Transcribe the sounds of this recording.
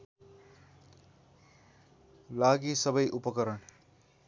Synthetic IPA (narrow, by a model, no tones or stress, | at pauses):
laɡisʌbʌjʔupʌkʌɾʌɳ